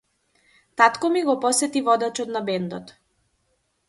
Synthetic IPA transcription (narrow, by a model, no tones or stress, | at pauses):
t̪at̪kɔmiɡɔpɔsɛt̪ivɔd̪at͡ʃɔt̪nabɛnd̪ɔt̪